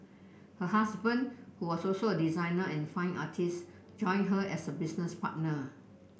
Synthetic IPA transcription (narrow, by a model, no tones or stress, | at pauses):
həɦasbə̃ndhuwɔsɔlsoədizãɪnəɛ̃nfãɪ̃ŋa̰tʰis | d͡ʒɔ̃ɪj̃nɦəʔɛsəbisnəspa̰t̚nə